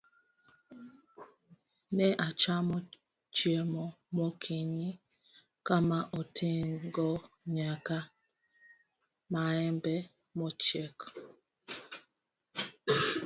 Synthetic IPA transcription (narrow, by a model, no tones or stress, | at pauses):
nɛʔat͡ʃamɔ | t͡ʃjɛmɔ | mɔkʰiɲi | kamaʔotʰeŋɡɔ | ɲaka | maɛmbɛ | mɔt͡ʃɛk